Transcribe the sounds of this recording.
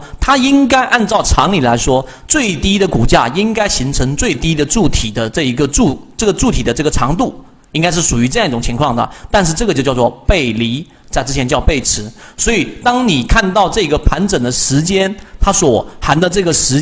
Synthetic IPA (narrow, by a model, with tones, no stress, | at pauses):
t̪ʰa˥i˥ŋka˥ɪʔa˥˧nt͡sɑ˥˩ʊʈ͡ʂʰɑ˧˥ŋli˨˩la˧˥ɪʂwɔ˥ | t͡swe˥˩ɪt̪i˥d̪ə˨ku˨˩t͡ɕja̰˥˧i˥ŋka˥ɪɕi˧˥ŋʈ͡ʂʰɤ˧˥ŋt͡swe˥˩ɪt̪i˥d̪ə˨ʈ͡ʂu˥˩t̪ʰi˨˩d̪ə˦ʈ͡ʂɤ˥˩i˧˥ɡə˧ʈ͡ʂu˥˩ʈ͡ʂɤ˥˩ɡə˩ʈ͡ʂu˥˩t̪ʰi˨˩d̪ə˦ʈ͡ʂɤ˥˩ɡə˩ʈ͡ʂʰɑ˧˥ŋt̪u˥˩ | i˥ŋka˥ɪʂ̬ɻ̩˥˩ʂu˨˩y˧˥ʈ͡ʂɤ˥˧jɑ˥˧ŋi˥ʈ͡ʂʊ˨˩ŋt͡ɕʰi˧˥ŋkʰwɑ˥˩ŋd̪ə̰˩t̪a˥˧nʂ̬ɻ̩˥˧ʈ͡ʂɤ˥˩ɡə˩t͡ɕjjʊt͡swɔ˥˧pe˥˩ɪli˧˥ | t͡sa˥˧ɪʈ͡ʂɻ̩˥t͡ɕʰjɛ˧˥nt͡ɕjɑ˥˧ʊpe˥˩ɪʈ͡ʂʰɻ̩˧˥swɔ˧˥i˨˩t̪ɑ˥ŋni˨˩kʰa˥˧nt̪ɑ˥˧ʊʈ͡ʂɤ˥˩i˥ɡə˧pʰa˧˥nʈ͡ʂə˨˩d̪ə˦ʂɻ̩˧˥t͡ɕjɛ˥nt̪ʰa˥swɔ˨˩xa˧˥nd̪ə˧ʈ͡ʂɤ˥˩ɡə˩ʂɻ̩˧˥